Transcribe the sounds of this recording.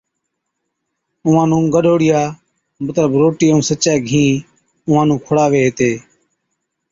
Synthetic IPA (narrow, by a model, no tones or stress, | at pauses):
ʊʋãːnũːɡəɗʱoːɽɪjaː | mət̪ləbɾoːʈiːũːsətːt͡ʃaːɡʱĩː | ʊʋãːnũːkʰʊɽaːʋeːɦeːt̪eː